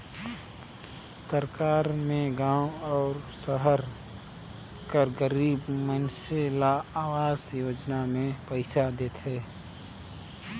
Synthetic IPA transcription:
səɾkaːɾmẽɡãːwɔːɾsəɦəɾ | kəɾɡəɾiːbmənselaaːwaːzjoːd͡ʒnamẽpəɪsad̪eːt̪ʰɦeː

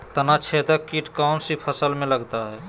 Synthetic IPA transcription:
t̪ənat͡ʃʰet̪əkːiʈkaʊnsipʰəsəlmẽləɡt̪aɦɛː

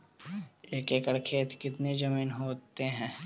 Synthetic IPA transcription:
ekekəɽkʰeːt̪kɪt̪ned͡ʒɐmiːnɦoːt̪eɦɛ̃ː

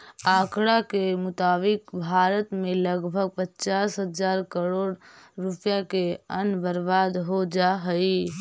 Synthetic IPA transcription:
aːkɽakemʊt̪aːbɪkbʱaːɾət̪mẽləɡbʱəɡ̚pətːt͡ʃaːsɦəd͡ʒaːɾkəɾoːɽɾupjakeənbəɾbaːd̪ɦod͡ʒaɦəji

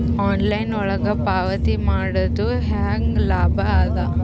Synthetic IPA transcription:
aːnlɐjnɔɭɐɡɐpaːʋɐt̪imaːɽɐd̪u | ɦaːŋɡlaːbʱɐaːd̪ɐ

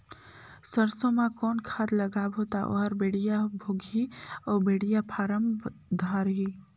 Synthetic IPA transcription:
səɾsõmãkɔːnkʰaːd̪ləɡabɦot̪aʔo̰ɦɾbeːɽijabʱoːɡʱiɔːɾbeːɽijapʰaːɾəmd̪ʱaɾɦi

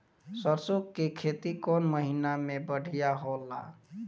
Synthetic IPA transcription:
səɾsokːekʰet̪ikɔnməɦinamebəɽʱijaɦolːa̰

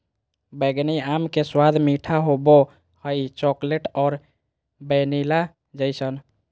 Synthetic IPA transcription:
bəɡniamkeswad̪ʱmiʈʰaɦobo | həjt͡ʃɔkleʈɔːɾ | bənila | d͡ʒəjsən

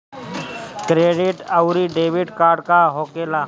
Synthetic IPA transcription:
kɾeːɖɪʈəwɾiɖeːʋɪɖkaːɾɖkaɦoːkeːla

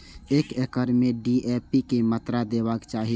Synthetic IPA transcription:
eːkekəɾmẽɖiʔeːpikemət̪ɾad̪eːbakt͡ʃaːɦi

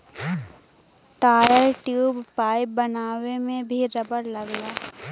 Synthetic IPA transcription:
ʈaːɾəɾʈjuːbpaːib̚bɐnaːwemẽbʱiɾɐbəɾlɐɡlaː

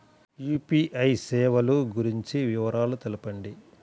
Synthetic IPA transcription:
juːpiːʔɐjsɛːʋɐluɡuɾiɲt͡ʃiʋiʋɐɾaːlut̪elupɐɳɖi

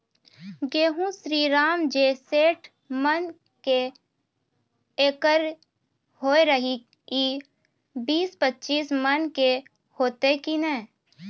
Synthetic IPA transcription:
ɡeːɦũsɾiːɾaːmd͡ʒeːseːʈʰ | mən | ke | eːkəɾ | hoːeɾəɦi | ki | biːspətːʃiːsmənke | hoːt̪ekinɛː

